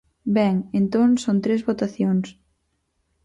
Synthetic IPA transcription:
bɛŋent̪õŋsont̪ɾezβot̪aθjoŋs

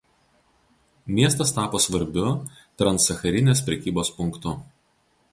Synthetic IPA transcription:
mʲiɛst̪ɐst̪ɑːpoːsʋɐɾʲbʲʊt̪ɾɐnsɐxɐɾʲɪnʲeːspʲɾʲɛkʲiːboːspʊŋˑkt̪ʊ

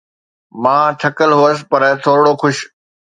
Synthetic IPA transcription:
mãːʈʰɐkəlɦuəsɪ̥̆pɐɾt̪ʰoːɾɽoxʊʃ

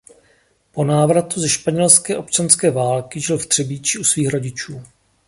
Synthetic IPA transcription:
po̞naːvɾat̪uzɛʃpaɲɛlskɛːʔo̞pt͡ʃanskɛːvaːlkɪʒɪlft̪r̥ɛbiːt͡ʃɪusviːxɾo̞ɟɪt͡ʃuː

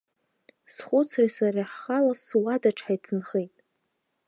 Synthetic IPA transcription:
sχʷʊt͡sʰrisaraħχalaswadaʈ͡ʂʰħajt͡sʰɨnχejtʼ

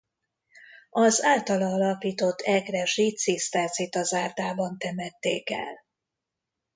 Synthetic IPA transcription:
ɒzaːlt̪ɒlɒːlɒpiːt̪o̞t̪ʰːɛɡrɛʒiːt̪sist̪aːsit̪ɒzaːrd̪aːbɒnt̪ɛmɛt̪ːeːkɛ̰l

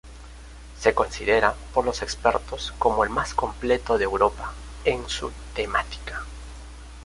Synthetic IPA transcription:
se̞ko̞nsiðe̞ɾapo̞ɾlo̞se̞kspe̞ɾt̪osko̞moelmasko̞mple̞t̪o̞ðeːwɾo̞pa | ensṵt̪e̞mat̪i̥kḁ

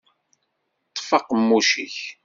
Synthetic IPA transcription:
t̪ˤːfɑqmːuʃiç

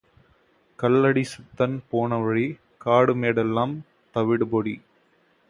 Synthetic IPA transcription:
kɐlːɐɽisɪt̪ːɐnpoːnɐʋɐɻi | kaːɽɯmeːɽɛlːaːm | t̪ɐʋɪɽɯbɔɽi

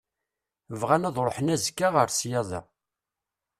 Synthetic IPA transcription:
əvʁænæðˤɾˤoħənæzkːaʁəɾsjɑðˤḛʁ

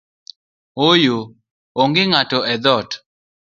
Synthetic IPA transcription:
ojo | oŋɡɪŋatɔɛd̪ɔt

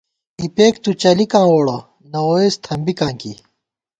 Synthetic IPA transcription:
ipeːkt̪ut͡ɕɐlikãːwoːɽɐ | nɐoːeːst̪ʰɐmbikãːŋkḭ

